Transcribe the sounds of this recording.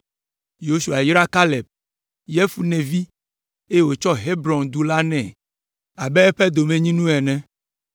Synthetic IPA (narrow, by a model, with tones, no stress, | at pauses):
jo˦su˨a˨i˦ɾa˦ka˦lɛ˨b̚ | jɛ˦fu˦nẽ˨vi˦ | e˦jwo˨t͡ʃɔ˦ɦe˦bɾɔ˨nd̪u˦la˦nɛ̃˨ | a˨bɛ˦ɛ˦ɸɛ˦d̪o˨mẽ˨ɲĩ˦nũ˦ɛ˨nɛ̃˦